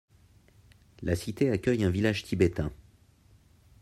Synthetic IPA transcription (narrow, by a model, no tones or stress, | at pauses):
lasit̪eakʲœjɛ̃vilaʒt̪ʰibet̪ɛ̃